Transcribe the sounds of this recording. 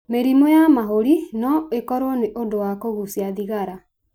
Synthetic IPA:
meɾimɔjamaɦoɾinɔekɔɾɔneʔondowakoɣusjaðiɣaɾa

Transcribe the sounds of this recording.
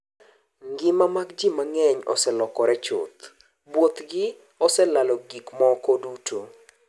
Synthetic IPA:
ŋɡɪmamakd͡ʒimaŋɛɲɔ̰sɛlɔkɔɾɛt͡ʃʊ̰t̪ | bwot̪ɡɪ | ɔsɛlalɔɡikmɔkodutʰo

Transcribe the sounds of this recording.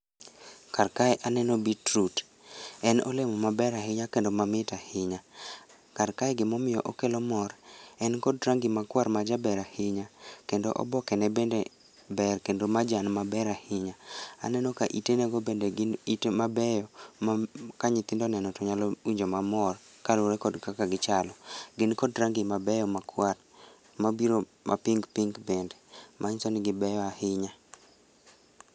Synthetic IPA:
karkaɛʔanɛnobitɾut | ɛnɔ̰lemɔmabɛɾahɪɲakendomamɪtahɪɲa | kaɾkaɛɡɪmɔmɪjɔʔokelɔmɔɾɛnkɔdɾaŋɡɪmakwarmad͡ʒabɛɾahɪɲakendo̰ʔɔ̰bɔkɛnɛbendɛ | bɛrkendomad͡ʒanmabɛɾahɪɲaa̰nɛnɔkaʔitenɛɡɔbendeɡɪnitemabɛjɔmkaɲɪt̪ɪndɔnɛnɔtɔɲalɔwiɲd͡ʒomamɔrkaloɾɛkɔdkakaɡɪt͡ʃalɔɡɪnkɔdɾaŋɡɪmabɛjɔmakwa | mabiɾomʔa̰piŋɡpiŋɡbɛndɛmʔaɲsɔnɡɪbɛjɔahɪɲa

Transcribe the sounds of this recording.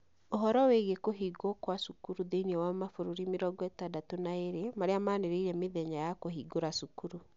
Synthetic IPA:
oɦɔɾɔweɣekoɦiɡokwasukuɾuðeiniɔwamafoɾuɾimeɾɔɡwɛtadatonaeɾemaɾeamaːneɾeiɾɛmeðɛɲajakoɦiɡoɾasukuɾu

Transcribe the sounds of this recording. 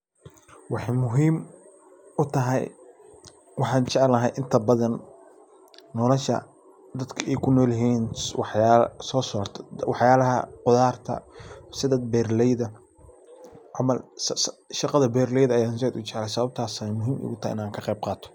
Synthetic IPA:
wɑħɑjmʊɦiːm | ʊt̪ʰɐɦɛ̰j | wɑħɑːnt͡ʃɛʕɛlɐɦɛjʔɪnt̪ʰɐbɐðɐn | ɔːlɔʃɐ̰ | d̪ɐd̪kʰɐɛjkʰʊnɔːlɐɦiːnwɑħjaːsɔːsɔːrt̪ʰɐ̥wɑħjaːlɐɦɐ̰qʊðaːrt̪ʰɐ̰sɪðɐd̪bɛːrlɛjðɐ | ʕɑmɐlssʃɑqɑðɐbɛːrlɛjðɐɐjaːnsɛd̪ʊt͡ʃɛʕlɛjsɐβɐb̚t̪ʰaːsɛjmʊɦiːmɛ̰ɣʊt̪ʰɐhjʔɪ̰naːŋkʰɐqɛjb̚qɑːt̪ʰɔ̥

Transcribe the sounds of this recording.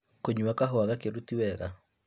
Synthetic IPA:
koɲuakaɦoaɣakeɾutiwɛɣa

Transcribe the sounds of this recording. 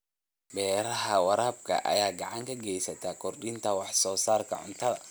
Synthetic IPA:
bɛːɾɐɦɐwɑɾaːb̚kʰɐ̰ʔɐ̰jaːɡɑʕɑŋkʰɐɡɛjsɐt̪ʰaːkʰɔrɗɪnt̪ʰɐwɑħsɔːsaːrkʰɐ̰ʕʊ̰nt̪ʰɐðɐ̰

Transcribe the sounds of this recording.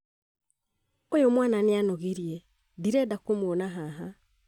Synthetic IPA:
ojomwananeanoɣeɾjɛ | diɾɛdakomwonaɦaɦa

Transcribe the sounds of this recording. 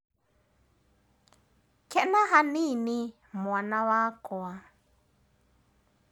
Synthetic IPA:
kʰɛʔnaɦanini | mwanawaːkɔa

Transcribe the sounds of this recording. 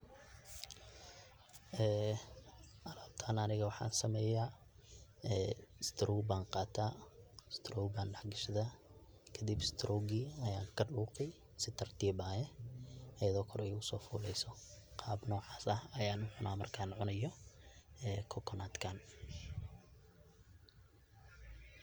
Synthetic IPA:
ʔɛː | ʔɐlaːb̚t̪ʰaːnɐnɪɣɐwɑħɑ̰ːnsɐmɛːjaː | ɛːst̪ʰɾʔuwbaːnqɑːt̪ʰaːst̪ʰɾɔːwbaːnɖɑħɡɪʃðɐ | kʰɐd̪ibɪst̪ʰɾʔɔːɡiːɐjaːŋkʰɐɖuːqɛj | sɪt̪ʰɐrt̪ʰiːbaːjɛʔɐjɐðɔːkʰɔɾɛjʊsɔːfṵːlɛjsɔqɑːbnɔːʕɑːsɐhɐjaːnʊʕʊnʔaːmɐrkʰaːnʕʊnɐjɔ | ɛːkʰɔkʰɔnaːd̪kʰaːn

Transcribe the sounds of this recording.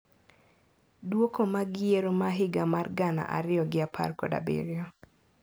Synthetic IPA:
dwokomaɡɪjeɾomaɦɪɡamarɡana̰ʔa̰ɾɪjɔɡɪapʰa̰rkɔda̰bḛɾɪɔ

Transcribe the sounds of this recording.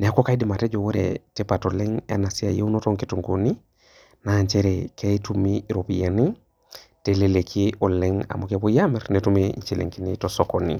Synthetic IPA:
nɛakokaidimated͡ʒowoɾḛtepatolɛŋa̰nasia̰jḛunotoŋkituŋɡuni | naɲt͡ʃeɾekʰeitumiɾopijani | telelekʰiɔleŋa̰mokebujamɛɾnetumeḭɲt͡ʃelḛŋkinitosokonḭ

